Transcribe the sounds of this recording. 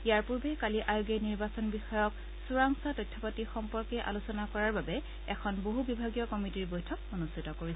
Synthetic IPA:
ijaɹpuɹbɛkaliʔajuɡɛniɹbasɔnbixɔjɔk | suɹaŋsatɔjtʰːɔpatixɔmpɔɹkɛʔa̰lusɔnakɔɹaɹbabɛ | ɛkʰɔnboɦubibʱaɡijɔkɔmitiɹbɔjtʰɔkonustʰitɔkoɹis

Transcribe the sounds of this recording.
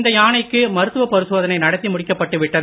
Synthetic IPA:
nd̪ɐjaːɳɐɪkːɯmɐɾɯt̪ːɯʋɐpːɐɾɪsoːðɐnɐɪnɐɽɐt̪ːimʊɽɪkːɐpːɐʈːɯʋɪʈːɐð

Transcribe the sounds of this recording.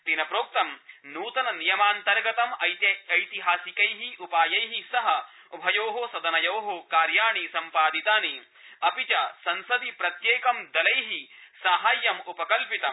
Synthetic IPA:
t̪inɐpɾoːk̚t̪ɐmnuːt̪ɐnɐnijɐmaːnt̪ɐɾɡɐt̪ɐmɐjt̪ɐɐjt̪iɦaːsikɐjɦiʔupaːjɐjɦisɐɦɐ | ubʱɐjoːɦosɐd̪ɐnɐjoːɦokaːɾjaːɳisɐmpaːd̪it̪aːni | ɐpit͡ʃɐsɐnsɐd̪ipɾɐt̪jeːkɐmd̪ɐlɐjɦisaːɦaːjːɐmupɐkɐlpit̪ɐ

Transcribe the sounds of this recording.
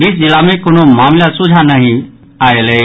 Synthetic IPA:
ɾisd͡ʒɪlamẽkonomaːmlasud͡ʒʱanəɦĩ | aːeleː

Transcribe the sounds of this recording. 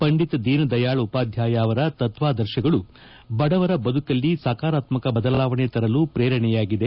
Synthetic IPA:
pɐɳɖit̪ɐd̪iːnɐd̪ɐjaːɭɐupaːd̪ʱjaːjaːʋɐɾɐt̪ɐt̪ʋaːd̪ɐɾʃɐɡɐɭu | bɐɽɐʋɐɾɐbɐd̪ukɐlːisaːkaːɾaːt̪mɐkɐbɐd̪ɐlaːʋɐɳet̪ɐɾɐlupɾeːɾɐɳɛjaːɡid̪e̞

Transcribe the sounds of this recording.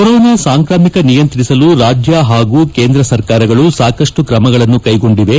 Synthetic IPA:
koɾɔːnaːsaːŋkɾaːmikɐnijɐnt̪ɾisɐluɾaːd͡ʒjaɦaːɡuːke̞ːnd̪ɾɐsɐɾkaːɾɐɡɐɭusaːkɐʂʈukɾɐmɐɡɐɭɐnːukɐjɡo̞ɳɖiʋe̞

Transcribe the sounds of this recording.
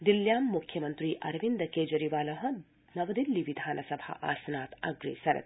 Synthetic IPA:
d̪iljaːmːukʰːjɐmɐnt̪ɾiːʔɐɾʋind̪ɐkeːd͡ʒɐɾiʋaːlɐɦɐ̆ | nɐʋɐd̪ilːiʋid̪ʱaːnʔɐsɐbʱa̰ʔa̰ːsɐnaːt̪ɐɡɾḛːsɐɾɐ̰t̪

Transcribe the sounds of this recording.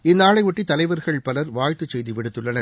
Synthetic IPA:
ɪnːaːɭɐɪʋʊʈːit̪ɐlɐɪʋɐɾɣɐɭpɐlɐɾʋaːjt̪ɯt͡ʃsɛjðiʋɪɽɯt̪ːɯɭːɐnɐɾ

